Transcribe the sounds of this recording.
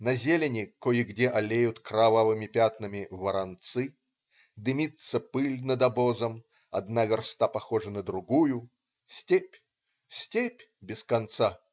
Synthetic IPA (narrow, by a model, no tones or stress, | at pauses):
nɐzʲelʲɪnʲɪkojɪɡdʲeʔɐlʲejʊt̪kɾɐvavɨmʲɪpʲat̪nəmʲɪvəɾɐnt̪sɨ | d̪ɨmʲit̪səpɨlʲnəd̪ɐbozəm | ɐ̰d̪navʲɪrst̪apɐxoʐɨnəd̪ɾʊɡujʊ | sʲtʲepʲ | sʲtʲepʲ | bʲɪskɐnt̪sa